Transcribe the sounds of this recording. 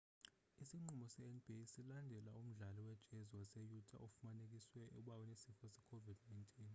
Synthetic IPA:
isiŋ͡ǃumɔsɛɛnb̥ʱisilandʱɛlaum̩ɮaliwɛd̥ʒ̥ʼʱɛzwasɛjutʼa̰ʔofumanek̬ʼiswɛɛɓawɔnesifɔsɛkʰovid̥najntʼiːn

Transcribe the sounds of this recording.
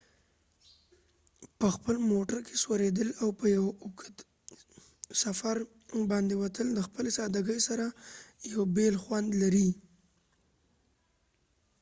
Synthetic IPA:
pəxpəlmoʈaɾkʰe̥swaɾed̪əlawpəjawʊkət̪ | safaɾ | bɑnd̪ewat̪ʰəld̪əxpəlesɑd̪aɡəjsaɾajawbelxwand̪laɾi

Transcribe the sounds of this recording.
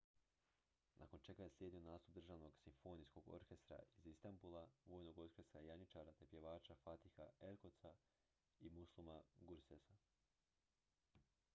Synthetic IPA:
nʔa̰ko̞nt͡ʃe̞ɡaje̞slje̞d̪io̞naːst̪up̚d̪r̩ʒaːʋno̞ɡsimfo̞nisko̞ɡo̞̰ɾke̞st̪ɾa̰izist̪ambulˠaʋo̞ːjnoɡo̞ɾkʲe̞st̪ɾajaɲit͡ʃaːɾat̪e̞pje̞ʋaːt͡ʃafat̪ixaeɾko̞t̪sa | imuslˠumaɡuɾsesa

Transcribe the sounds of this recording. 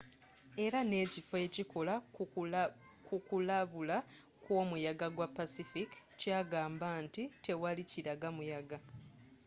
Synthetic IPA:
e̞ɾane̞ːcifoe̞ːciko̞la | kukulaβula | kwo̞ːmujaɡaɡwapːasifikcaːɡaːmbaːntite̞waliciɾaɡamujaɡa

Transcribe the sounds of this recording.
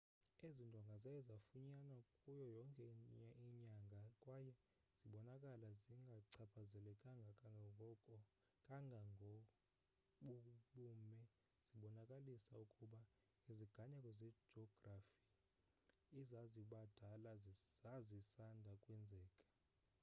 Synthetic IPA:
ezindʼʱɔŋɡʱazajɛzafuɲanakʼujɔjɔŋkʼɛaiɲaŋɡʱakʼwaːjɛ | z̥iɓɔnakʼalaziŋɡʱaǀʰapʰazɛlɛkʼaŋɡʱa | kʼaŋʱŋ | ɓokʼuɓuːmɛ | z̥iɓɔnakʼalisaukʼuɓa | iziɡ̥ʱaɲakʼwɛzɛ̥ʒ̥ʱɔɡ̥rafiː | zaziɓad̥ʱalazzazisandʱakʼwɛnd͡zʱɛːkʼḁ

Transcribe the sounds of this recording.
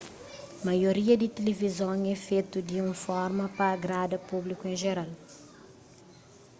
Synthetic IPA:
mɐjoɾiɐd̪it̪elevizõŋɛfet̪ud̪iũfɔɾmɐpɐːɡɾad̪ɐpublikuẽʒeɾal

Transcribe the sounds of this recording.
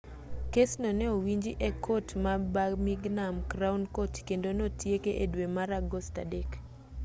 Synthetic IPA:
kesnoneowiɲd͡ʒiʔɛkʰotmabamiɡnamkɾaunkotkendonotjekeʔedwemaɾaɡosta̰dek

